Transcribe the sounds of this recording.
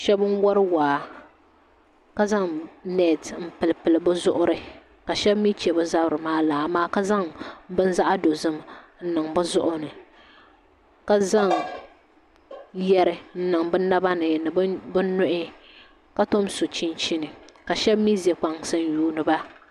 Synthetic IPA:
ʃɛ˦bɨ˦nwɔ˦ɾɨ˦waː˨ | ka˦za˦ŋnɛ˦˨tm̩˦pɨ˨lpɨ˨lɨ˨bɨ˦zʊ̰˦ʔʊ˦ɾɨ˦ | ka˨ʃɛ˦bmi˦t͡ʃɛ˨bɨ˦za˦bɾɨ˨maː˦laː˨maː˦ka˦za˦ŋbɨ˦n˦za˦ʔa˦do˨zɨ˦mn̩˦nɨ˨ŋbɨ˦zʊ˦ʔʊ˦nɨ˨ | ka˦za˦ŋ | jɛ˦ɾɨ˨n̩˦nɨ˨ŋbɨ˦na˦ba˦nɨ˨nɨ˨bbɨ˦nʊ˦ʔɪ˦ | ka˦to˦mso˨t͡ʃi˦nt͡ʃi˦nɨ˨ka˨ʃɛ˦bmi˦ze˨k͡pa˨ŋsɨ˦n˦juː˦nɨ˨ba˦

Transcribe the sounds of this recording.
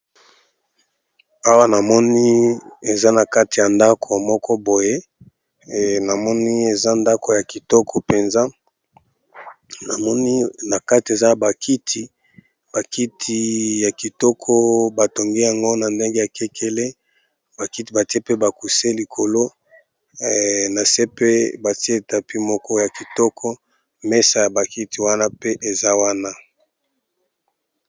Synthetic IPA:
a˦wa˦na˨mɔ˦ni˦e˨za˦na˨ka˦ti˨ja˨nda˦kʰo˨mɔ˦kɔ˦bo˨je˦˨ | na˨mɔ˦ni˦e˨za˦nda˦ko˨ja˨ki˨tɔ˦kʰo˨pe˨nza˦ | na˨mɔ˦ni˦na˨ka˦ti˨e˨za˦ba˨kʰi˦tʰi˨ | b̥a˨ki˦tʰi˨ja˨ki˨tɔ˦kʰɔ˦ba˨to˨ŋɡe˦ja˨ŋɡo˦na˨nde˦ŋɡe˦ja˨kʰe˦kʰe˦le˦ | ba˨ki˦ti˨ba˨ti˦e˦pe˦ba˨ku˨se˦li˨kʰo˨lo˦ | na˨se˦pe˦ba˨ti˦e˦e˨ta˨pi˦mɔ˦kɔ˦ja˨ki˨tɔ˦kʰɔ˦ | me˦sa˨ja˨ba˨ki˦ti˨wa˦na˦pe˦ʔe˨za˦wa˦na˦

